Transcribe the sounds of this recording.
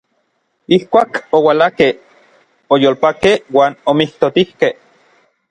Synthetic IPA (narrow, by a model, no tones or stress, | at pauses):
ihkʷaːkowalakeh | ojoːlpakehwaːnomiht̪ot̪ihkeh